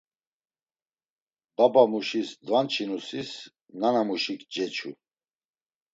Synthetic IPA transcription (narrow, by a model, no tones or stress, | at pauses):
babamuʃisd̪vant͡ʃʰinusis | nanamuʃikd͡ʒɛt͡ʃʰṵ